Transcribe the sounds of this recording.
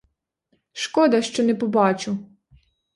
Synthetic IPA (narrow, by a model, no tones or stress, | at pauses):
ʃkɔd̪ɐʃt͡ʃɔnɛpɔbɑt͡ʃʊ